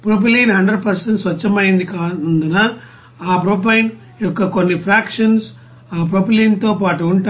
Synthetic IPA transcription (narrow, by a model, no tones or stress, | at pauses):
pɾoːp̬ɐlinɦɐɳɖɾɐɖ̚pɐɾsɐɳʈsʋɐt͡ʃːɐmaːɪnd̪ɯkaːnd̪ɯnːaː | aːpɾoːp̬ɐjn | ɔkːɐkɔnːifɾaːkʂɐns | aːpɾopɐlint̪oːpaːʈːɯuɳʈː